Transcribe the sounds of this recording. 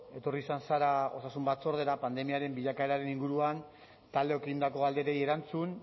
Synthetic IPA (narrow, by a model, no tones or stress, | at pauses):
e̞t̪o̞risansaɾao̞̰sasumbat͡so̞ɾð̞e̞ɾapand̪e̞miaɾe̞mbiʎakaeɾaɾe̞niŋɡuɾuan | t̪ald̪e̞o̞keɣind̪ako̞ald̪e̞ɾe̞je̞ɾant͡sun